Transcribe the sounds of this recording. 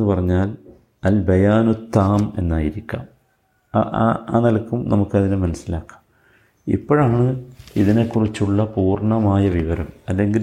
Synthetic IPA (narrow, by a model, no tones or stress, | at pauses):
enːɨpɐrɐɲːaːl | ɐlbɐjaːnut̪ːaːme̞̰nːaːjiɾikʲːa̰ːm | a̰ːnɐlɐkːumnɐmukːɐðinɨmɐnɐsilaːkːḁːm | ḭpːo̞ːɻaːɳɨiðine̞kːurit͡ɕːuɭːɐpuːrɳɐmaːjɐʋiʋɐɾɐmɐlːe̞ŋɡil